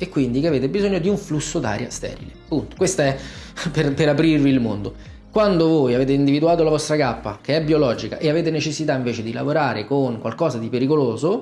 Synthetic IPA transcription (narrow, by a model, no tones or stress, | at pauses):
ekːwind̪ikeaveːt̪̬ebizoɲːod̪iuɱflusːod̪a̰ːɾja̰st̪ɛ̰ːɾḭlepːunt̪o̥kwest̪aɛperpeɾapɾirviːlmo̰nd̪o | kwand̪ovoːjaveːt̪eind̪ivid̪uaːt̪olavɔst̪ɾakapːa̰k̟eɛbːiolɔːd͡ʒika̰ʔeaveːt̪enet͡ʃesːit̪aiɱveːt͡ʃed̪ila̰voɾaːɾʔekoŋkwalkɔːzad̪ipeɾikoloːzo